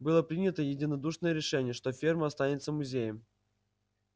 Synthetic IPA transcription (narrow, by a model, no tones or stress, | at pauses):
bɨlˠəpɾʲinʲət̪əjɪdʲɪnɐd̪uʂnəjəɾʲɪʂɛnʲɪjəʂt̪ofʲirməɐst̪anʲɪt̪səmʊzʲejəm